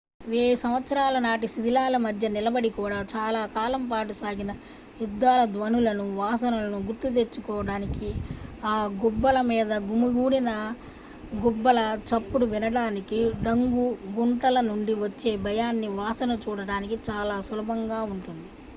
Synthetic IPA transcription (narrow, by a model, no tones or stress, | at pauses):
ʋeːjsɐmʋɐt̪sɐɾaːlɐnaːʈisid̪ʱilaːlɐmɐd̪ʱjɐnilɐbɐɽikuːɽaːt͡ʃaːlaːkaːlɐmpaːʈusaːɡinɐ | jud̪ːaːlɐd̪ʋɐnulɐnuʋaːsɐnɐlɐnuɡuɾt̪ːut̪̬e̞t͡ʃːukɔːʋɐɽaːnikiaːɡubːɐlɐmiːd̪ɐɡumuɡuːɽinɐ | ɡɔbːɐlɐt͡ʃɐpːuɽuʋinɐɽaːnikiɖɐŋɡuɡuɳʈɐlɐnuɳɖiʋɐt͡ʃːe̞ːbʱɐjaːnːiʋaːsɐnɐt͡ʃuːɽɐɽaːnikit͡ʃaːlaːsulɐbɐŋɡaːuɳʈund̪i